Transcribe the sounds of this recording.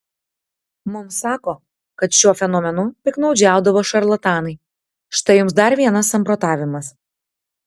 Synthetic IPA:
mʊmsɑːkoː | kɐt̪ʃʲuɔfʲɛnɔːmʲɛnʊpʲɪknɒʊd͡ʒʲæˑʊd̪ɐʋoːʃɐɾlˠɐt̪ɑːnɐɪ | ʃt̪ɐɪjʊmsd̪ɐɾʋʲiɛnɐsɐmpɾɔːt̪ɑːʋʲɪmɐs

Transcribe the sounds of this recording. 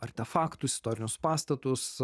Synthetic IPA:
ɐɾʲt̪ʲɛfɑːkt̪usʲɪ̥st̪oːɾʲɪnʲʊspɑːst̪ɐt̪ʊs

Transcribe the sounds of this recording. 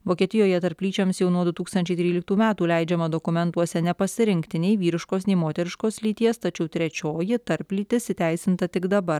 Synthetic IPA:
ʋoːkʲiɛt̪ʲɪjoːjɛt̪ɐɾʲpʲlʲiːt͡ʃʲɛmsjɛʊnuɔd̪ʊt̪uːkst̪ɐnʲt͡ʃʲɛɪt̪ʲɾʲiːlʲɪkt̪uːmʲæːt̪uːlʲɛɪd͡ʒʲɛmɐd̪okʊmʲɛnt̪uɔsʲɛnʲɛpɐsʲɪɾʲɪŋʲkt̪ʲɪnʲɛɪʋʲiːɾʲɪʃkoːsnʲɛɪmoːt̪ʲɛɾʲɪʃkoːslʲiːt̪ʲiɛst̪ɐt͡ʃʲɛʊt̪ʲɾʲɛt͡ʃʲoːjɪt̪ɐɾʲpʲlʲiːt̪ʲɪsʲɪt̪ʲæˑɪsʲɪnt̪ɐt̪ʲɪɡd̪ɐbɐɾ

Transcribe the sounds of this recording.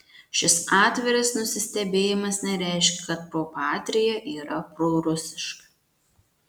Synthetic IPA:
ʃʲɪsɑːt̪ʲʋʲɛɾʲɐsnʊsʲɪsʲt̪ʲɛbʲeːjɪmɐsnʲɛɾʲæˑɪʃʲkʲɛkɐt̪̚pɾoːpɑːt̪ʲɾʲɪjɛʔiːɾɐpɾoːɾʊsʲɪʃkɐ̥

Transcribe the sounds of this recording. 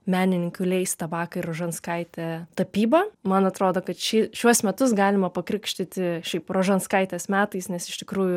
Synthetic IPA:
mʲæːnʲɪnʲɪŋʲkʲʊlʲɛɪst̪ɐbɑːkɐɪɾoːʒɐnskɐɪt̪ʲɛt̪ɐpʲiːbɐmɐnɐt̪ɾoːd̪oːkɐt̪ʃʲɪʃʲuɔsmʲɛt̪ʊs̬ɡɑːlʲɪmɐpɐkɾʲɪkʃʲt̪ʲɪt̪ʲɪʃʲɛɪproːʒɐnskɐɪt̪ʲɛsmʲæːt̪ɐɪsnʲɛsɪʃt̪ʲɪkɾuːjʊ

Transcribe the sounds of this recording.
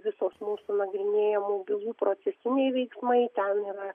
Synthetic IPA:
ʋʲɪsoːsmuːsunɐɡɾʲɪnʲeːjɛmoːbʲɪlˠuːpɾoːsʲɛsʲɪnʲɛɪʋʲɛɪksmɐɪt̪ʲɛniːɾɐ

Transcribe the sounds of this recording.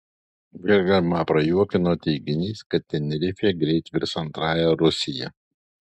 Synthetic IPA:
ʋʲɪɾɡɐɾmɑːpɾɐjuɔkʲɪnoːt̪ʲɛɪɡʲɪnʲiːskɐt̪ʲt̪ːʲɛnʲɛɾʲɪfʲeːɡɾʲɛɪt̪ʲʋʲɪɾsɐnt̪ɾɑːjɛɾʊsʲɪjɛ

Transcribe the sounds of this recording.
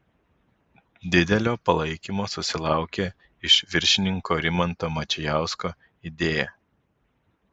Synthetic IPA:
d̪ʲɪd̪ʲɛlʲoːpɐlˠɐɪkʲimoːsʊsʲɪlˠɑˑʊkʲe | ɪʃʋʲɪɾʲʃʲɪnʲɪŋkoːɾʲɪmɐnt̪oːmɐt͡ʃʲɛjæˑʊskoː | ɪd̪ʲeːjɛ

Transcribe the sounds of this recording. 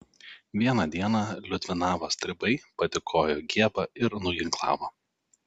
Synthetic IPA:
ʋʲiɛnɑːd̪ʲiɛnɑːlʲʊt̪ʲʋʲɪnɑːʋoːsʲt̪ʲɾʲɪbɐɪpɐt̪ʲɪkʰoːjoːɡʲiɛbɑɪɾnʊɡʲɪŋklˠɑ̰ːʋoː

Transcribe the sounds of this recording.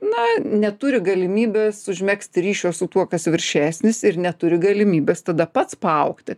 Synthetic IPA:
nɐnʲɛt̪ʊɾʲɪɡɐlʲɪmʲiːbʲeːsʊʒʲmʲæːksʲt̪ʲɪɾʲiːʃʲoːsʊt̪uɔkɐsʋʲɪɾʲʃʲæːsʲnʲɪsɪɾnʲɛt̪ʊɾʲɪɡɐlʲɪmʲiːbʲeːst̪ɐd̪ɐpɐt̪spɐɐʊkt̪ʲɪ

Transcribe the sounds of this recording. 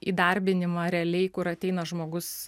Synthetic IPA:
ḭːd̪ɐɾʲbʲɪnʲɪmɐːɾʲɛɛlʲɛɪkʊɾɐt̪ʲɛɪnɐʒmoːɡʊs

